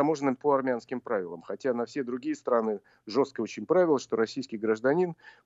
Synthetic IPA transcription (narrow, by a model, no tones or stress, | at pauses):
ɐmo̞ʐənːɨmʲpəɐrmʲɪanskʲɪmpɾavʲɪlˠə̰mxɐtʲanɐfsʲed̪ɾʊɡʲijəst̪ɾanɨ | ʐo̞st̪̚kəo̞t͡ɕɪnʲpɾavʲɪlˠəʂt̪oɾɐsʲijskʲɪjɡɾəʐd̪ɐnʲin